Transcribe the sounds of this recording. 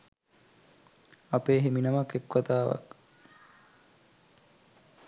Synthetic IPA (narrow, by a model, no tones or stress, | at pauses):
apeːɦiminɐmɐkːekʋɐt̪aːʋɐ̰k